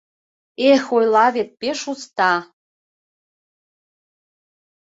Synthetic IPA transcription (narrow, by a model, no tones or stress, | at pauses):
exojlɑβet̪̚peʃust̪ɑ